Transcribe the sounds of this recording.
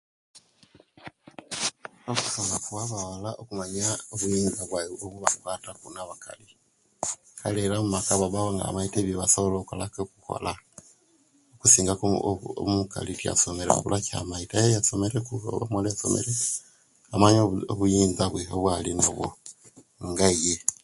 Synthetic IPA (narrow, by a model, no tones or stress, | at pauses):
oku̥somakuaβawalaokumaɲaoβujiːnzaβwaoβuβakwaːtakunaβaka̰li | kʰalelamumakaβaβaβoŋɡa̰maiteβjoβasoβoloko̰lakekuko̰la | okusiːŋɡakmuka̰litia̰someɾḛkulakia̰maitajejasomeɾekuoβamolejaso̰mḛɾe | amaɲooβujiːnzaβweoβwalinaβwo̰ | ŋɡaje